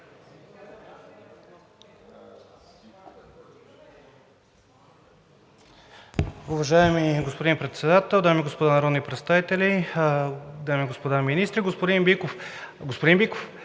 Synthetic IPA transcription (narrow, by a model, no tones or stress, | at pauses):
uvɐʒaɛmiɡospod̪inpɾɛt̪sɛd̪at̪ɛlˠd̪amiɡospod̪anɐɾɔd̪nipɾɛt̪st̪avit̪ɛli | d̪amiɡospod̪aminist̪ɾiɡospod̪inbikof | ɡospod̪imbikof